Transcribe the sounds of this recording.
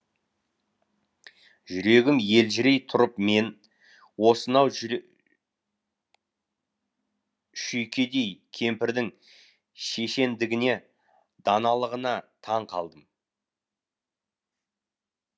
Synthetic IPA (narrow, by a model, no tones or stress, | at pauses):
ʒʏɾe̞ɡʲɪmje̞lʒɪɾe̞jt̪ʰʊɾəpme̞n | wo̞sənɑw | ʃʏjkʲʰe̞d̪e̞jkʲʰe̞mpɪɾd̪ɪŋ | ʃe̞ʃe̞nd̪ɪɡʲɪne̞ | d̪ɑnɑlˠəʁənɑt̪ʰɑɴqʰɑ̰lˠd̪əm